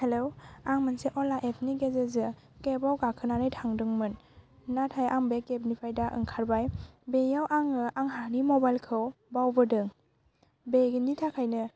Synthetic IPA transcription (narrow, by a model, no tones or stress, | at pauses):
helowaŋmɯnseʔɔlaʔepʰniɡezezɯ | kebawɡakʰɯnanɯjtʰaŋdɯŋmɯnː | atʰajaŋbekeb̚nipʰajdaʔɯ̰ŋkʰaɾbajbejawʔaŋɯʔaŋɦanimɔbajlkʰɯw | bawbɯdɯŋ | beɡinitʰakʰajnɯ